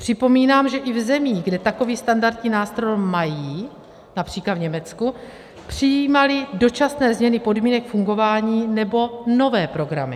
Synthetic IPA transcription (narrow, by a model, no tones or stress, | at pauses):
pr̝̥ɪpo̞miːnaːmʒɛʔɪvzɛmiːɡdɛt̪ako̞viːst̪andaɾt̪ɲiːnaːst̪ɾo̞jmajiː | napr̝̥iːklad̪vɲɛmɛt͡sku | pr̥ɪjiːmalɪdo̞t͡ʃasnɛːzmɲɛnɪpo̞dmiːnɛkfuŋɡo̞vaːɲiːnɛbo̞no̞vɛːpɾo̞ɡɾa̰mɪ